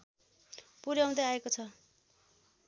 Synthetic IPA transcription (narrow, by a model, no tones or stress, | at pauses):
puɾjaũd̪eaekot͡sʰʌ